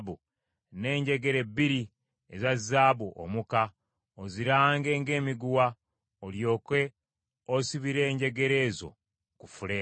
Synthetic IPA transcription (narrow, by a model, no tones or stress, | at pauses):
βu | ne̞ːɲɟe̞ɡe̞ɾe̞bːiɾi | ezazːaːβuʔo̰muka | oziɾaːŋɡe̞ːŋɡe̞ːmiɡuwa | oljo̞ːkwe̞ | osiβiɾe̞ːɲɟe̞ɡe̞ɾe̞ːzo̞̰ | kufuleː